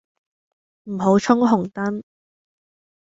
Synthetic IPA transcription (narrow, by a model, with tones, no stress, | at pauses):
m̩˨˩ɦo˨˥wt͡ʃʰʊ˥ŋɦʊ˨˩ŋt̪ɐ˥n